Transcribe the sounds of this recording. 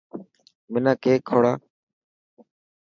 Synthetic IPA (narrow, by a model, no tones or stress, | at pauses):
mɪnãːkeːkʰːoːɽaː